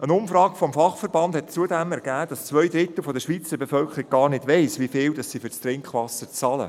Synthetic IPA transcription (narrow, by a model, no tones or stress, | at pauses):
ʔənʊmfɾɑːɡfɔmfɑχfəɾbɑnd̥hɛt̚t͡suədɛmɛɾɡ̥æːd̥ɑst͡sʋœjd̪ɾɪt̪l̩fɔdəʃʋiːt͡səbefœlkʰəɾɪk̚ɡɑːɾnɪdʋɛɪsʋifɪːldɑsːifʏɾt͡st̪ɾɪŋkχʋɑsət͡sɑlə̰